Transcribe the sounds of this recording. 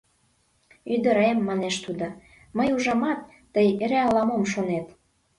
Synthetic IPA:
yd̪ə̆ɾemːɑneʃt̪ud̪o | məjuʒɑmɑt̪ːəjeɾeɑlɑmomʃonet̪

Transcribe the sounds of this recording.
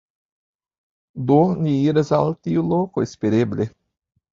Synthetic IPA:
d̪onʲiiɾasalt̪iulokoespeɾeble

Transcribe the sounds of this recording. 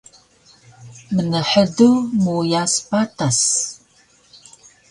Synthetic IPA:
mənəħədumujaspatas

